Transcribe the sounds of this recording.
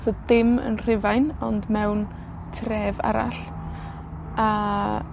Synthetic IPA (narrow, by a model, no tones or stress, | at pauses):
sɔdɪmə̰nr̥ɪvajnɔndmɛwn | tʰrɛːva̰ɾa̰ɬ | a